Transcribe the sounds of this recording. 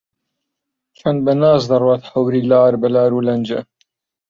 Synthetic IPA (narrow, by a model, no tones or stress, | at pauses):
t͡ʃʰɐnd̪̚bɐnaːzd̪ɐrwɑːt̪ħɐwɾiːlaːɾbɐlaːɾuːlɐnd͡ʒɐ̰